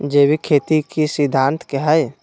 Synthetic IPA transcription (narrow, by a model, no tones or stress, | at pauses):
d͡ʒeːbʱikʰet̪ikisid̪ʱːant̪keɦəj